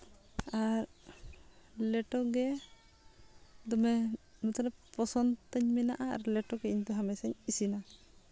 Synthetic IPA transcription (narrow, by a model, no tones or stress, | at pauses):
aɾ | lɛʈɔɡɛ | d̪ɔmɛmɔt̪ɔlɛpɔsɔnt̪aɲmɛnaʔaa̰ɾlɛʈɔɡɛiɲt̪ɔɦamɛsɛɲisina